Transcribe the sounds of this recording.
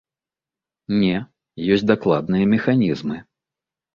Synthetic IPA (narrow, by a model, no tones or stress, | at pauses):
nʲɛ | jɔsʲtʲd̪aklˠad̪̚nɨjɐmʲɛxanʲizmɨ